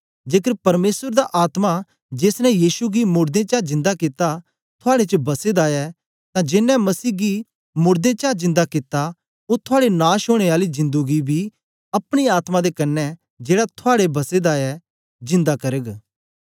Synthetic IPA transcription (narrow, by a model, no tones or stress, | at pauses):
d͡ʒeːkəɾpɐɾmeːsəɾd̪aʔaːt̪ma | d͡ʒeːsnɛjiːʃuɡimʊɾd̪ẽt͡ʃaːd͡ʒɪ̃nd̪akɪt̪a | t̪ʰʊaːɽet͡ʃəbɐsed̪aɛ | t̪ãd͡ʒɪnːɛmɐsiːɡi | mʊɾd̪ẽt͡ʃaːd͡ʒɪ̃nd̪akɪt̪a | ot̪ʰʊaːɽenaːʃoːɽ̃eaːlizɪ̃nd̪uɡibʱi | ɐpɽ̃iaːt̪mãd̪ekɐnːɛ | d͡ʒeːɽat̪ʰʊaːɽebɐsed̪aɛ | d͡ʒɪ̃nd̪akɐɾəɡ